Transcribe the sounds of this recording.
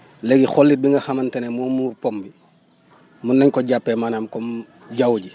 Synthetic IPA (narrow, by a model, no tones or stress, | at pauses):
lɛɡixɔlːit̚biŋɡɐxɐmɐntɛnɛmɔːmuːrpɔmbi | munːɐɲkɔɟapːɛmanaːmkɔm | ɟawɟi